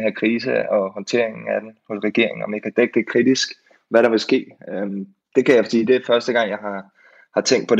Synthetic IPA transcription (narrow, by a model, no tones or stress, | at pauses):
hæɐkʰʁiːsəɒ̽hɒ̽nt͡sʰe̝ɐ̰eŋn̩æd̥enhɔ̽sʁɛɡ̥e̝ɐ̰eŋ̩ɒ̽mjäkʰæd̥eɡ̥̚d̥e̝kʰʁid̥isɡ̥ | ʋæɾɑ̈ʋe̝lsɡ̥e̝̰ːøm | d̥e̝kʰæjɑ̈fɒd̥ḭːd̥e̝æfɶɐsd̥əɡ̥ɑ̈ŋ̰jɑ̈ɪɦɑ̈ | hɑ̈t͡sʰeŋ̰d̥̚pʰɒ̽ɾ